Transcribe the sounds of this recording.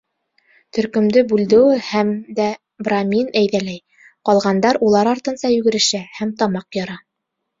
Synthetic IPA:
t̪ɵ̆ɾkɵ̆md̪ɵbʉld̪ɘ̆wɘhæmd̪æ | bramʲinæjðælæj | qɑlˠʁɑnd̪ɑɾulˠɑɾɑɾt̪ɤ̆nsɑjɵ̆ɡɘ̆ɾɘ̆ʃæhæmt̪ɑmɑqjɑɾɑ

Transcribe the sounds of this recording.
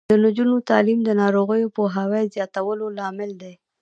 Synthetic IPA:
d̪ənʊd͡ʒunot̪ɑlimd̪ənɑɾoɣəjopoɦawejzjɑt̪awəlolɑmɪld̪e

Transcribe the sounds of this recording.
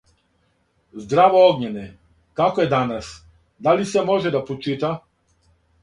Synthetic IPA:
zd̪ɾavɔɔɡɲɛnɛ | kakɔɛd̪anas | d̪alisɛmɔʒɛd̪apɔt͡ʃit̪a

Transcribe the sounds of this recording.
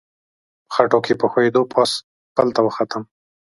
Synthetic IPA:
xaʈokʰepəxoed̪opʰɑs | pəlt̪awəxat̪əm

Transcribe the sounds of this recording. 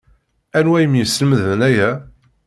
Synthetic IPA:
ænwæjəmjəsːələməðənæjæ

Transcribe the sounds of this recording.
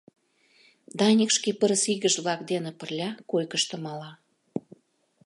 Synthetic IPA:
d̪ɑnʲikʃkepə̆ɾəsiɣə̆ʒβlɑkd̪enə̆pə̆rlʲɑkojkə̆ʃt̪ə̆mɑlɑ

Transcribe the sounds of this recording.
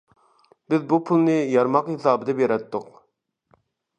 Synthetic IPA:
bɪzbupʰulˠnɨjɑɾmɑqhesɑːbɨd̪ɛbjeɾɛt̪ːʊq

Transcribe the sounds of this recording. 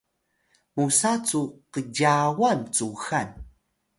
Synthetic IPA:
musat͡suqəɟawant͡suxan

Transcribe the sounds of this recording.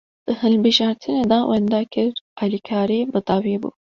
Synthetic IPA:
d̪̥ɨhɨlbɨʒɑːɾt̪ʰɨneːd̪ɑwʔɛnd̪ɑːkʰɨɾɑːlikʰɑːɾiːbɨt̪ɑwibṵː

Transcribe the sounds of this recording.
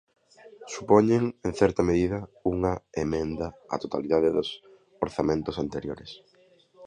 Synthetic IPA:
supoɲeŋeŋθɛɾt̪ɐmeðiðɐuŋɐemẽnd̪ɐa̰t̪ot̪aliðaðeðʊs | oɾθamẽnt̪osant̪eɾjoɾes

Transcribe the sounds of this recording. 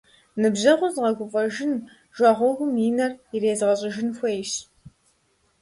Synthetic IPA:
nɨbʑɐʁʷʊzʁɐɡʷʊfʼɐʒɪn | ʒ̥ʷɑːʁʷɔɣʷʊmjinɐrireːzʁɐɕʼɪʒɪnxʷɐjʃ

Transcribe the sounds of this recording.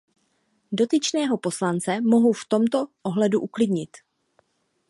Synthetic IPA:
do̞t̪ɪt͡ʃnɛːɦo̞po̞slant͡sɛmo̞ɦowft̪o̞mt̪o̞ʔoɦlɛduʔuklɪdɲɪt̪

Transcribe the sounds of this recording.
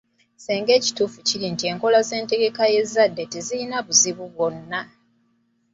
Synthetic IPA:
seːŋɡe̞ːci̥tuːfuciɾintie̞ːŋko̞laze̞ːnte̞ɡe̞kaje̞zːadːe̞teziɾinaβuziβuβwo̞nːa

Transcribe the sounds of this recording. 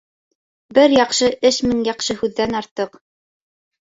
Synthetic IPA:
bɘɾjɑqʃɤʔɘʃmɘŋjɑqʃɤhʉðːænɑɾt̪ːɤq

